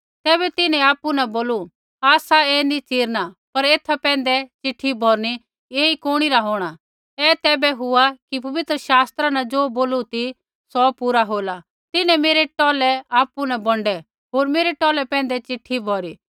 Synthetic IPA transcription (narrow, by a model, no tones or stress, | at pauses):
t̪ɛːbɛt̪ɪnɛ̃aːpunɐboːlu | aːsaɛnit͡ʃiːɾnapɐɾeːt̪ʰapɛ̃ːn̆d̪ɛt͡ʃɪʈʰːibʱɔːɾni | eːikoːɽ̃iɾaɦoːɽ̃a | ɛt̪ɛːbɛɦʊakipɐʋɪt̪ɾəʃaːst̪ɾanɐd͡ʒoːboːlut̪ʰi | sɔpuːɾaɦoːla | t̪ɪnɛ̃meːɾɛʈɔːlɛaːpunabɔ̃ɳɖɛ | ɦoːɾmeːɾɛʈɔːlɛpɛ̃ːnd̪ɛt͡ʃɪʈʰibʱɔːɾiː